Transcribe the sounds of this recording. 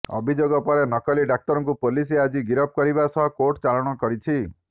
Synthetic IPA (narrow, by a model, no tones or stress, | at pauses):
ɔ̰bʱid͡ʒoɡɔpɔɾenɔkɔliɖak̚t̪ɔɾɔŋkupolisead͡ʒiɡiɾɔp̚kɔɾibasɔɦɔkoʈt͡ʃalɔɽ̃ɔkɔɾit͡ʃʰi